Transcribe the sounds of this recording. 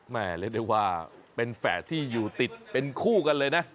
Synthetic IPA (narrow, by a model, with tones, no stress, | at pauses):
mɛː˥˩le˦˥˩da˥˩waː˥˩pe˧nfɛ̰ː˩˦t̪ʰiː˥˩juː˨˩t̪i˨˩t̪̚pe˧nkʰuː˥˩ka˧nlɤː˧jna˦˥ʔ